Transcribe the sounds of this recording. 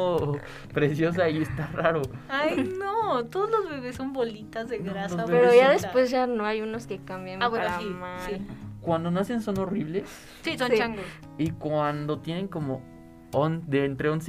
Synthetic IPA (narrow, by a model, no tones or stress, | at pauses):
o | pɾesjo̞s̬aiest̪araɾoajnot̪oðozlozβeβesːo̞mbolit̪azðeɣɾasoepeɾoʝaðespwe̞zʝanoajuno̞ske̞kambjeaβweomasikwand̪o̞nase̞nso̞no̞riβle̞s | sisont͡ʃaŋɡo | ikwand̪o̞t̪jenẽ̞ŋko̞mo | ond̪ent̪ɾeons